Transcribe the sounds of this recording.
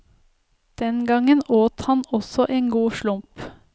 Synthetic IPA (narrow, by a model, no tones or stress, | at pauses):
d̪̥ɛnɡɑŋənoːt̪hɑnɔsɔʔeːŋɡuːʃlʊmp